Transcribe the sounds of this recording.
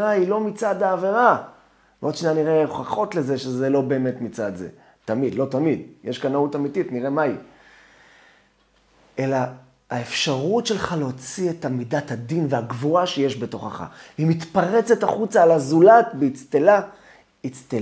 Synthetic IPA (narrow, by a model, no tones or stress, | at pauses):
ailo̞mit͡sad̪aːve̞ʁa | modʃnaniʁeχaχo̞tlezeʃezelo̞be̞ːmetmit͡sad̪zḛ | tamid̪lo̞tamid̪jeʃkanautamititniʁe̞mai | elaː | efʃaʁutʃelχaleot͡sietamidathad̪inveaɡvuaʃejeʃbe̞to̞χaχa̰veimitpaʁet͡se̞taχut͡saːlazulatbeit͡st̪ela | it͡st̪e